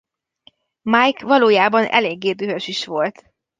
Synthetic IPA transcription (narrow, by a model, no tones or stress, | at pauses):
majkʋɒloːjaːbɒnɛ̰leːɡːeːd̪øɦøʃiʃʋo̞lt̪